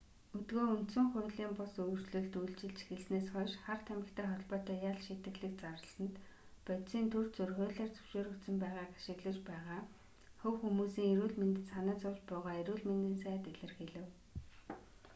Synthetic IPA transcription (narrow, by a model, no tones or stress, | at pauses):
ɵt̪ɡoːunt̪sɵ̆ŋχʊ̟ːɮiːmpʊsɵwɵrsɮɵ̆ɮt̪ujɮt͡ɕɪ̆ɮt͡ɕʰi̥xĕɮsneːsχɔʃχart̪ʰæmɪ̆kt̪ʰæːχɔɮpɔːt̪œːjaɮʃit̪ɘ̆ɣɮɘ̆k̚t͡saɾə̆ɮsə̆nt̪ | pœt̪siːnt̪ʰur̥t̪t͡sɵrɣoːɮeːrt͡sɵ̥w̥ʃoːɾɵ̆kt̪sə̆mpæːʁaːkḁʃɪ̆ɣɮə̆t͡ɕpæːʁaː | xɵwxumuːsiːŋeɾuːɮment̪ɘ̆t͡sanæːt͡sʊːt͡ɕpʊːʁaːeɾuːɮment̪ɘ̆nsæːt̪eɮɘ̆rxeɮɘ̆w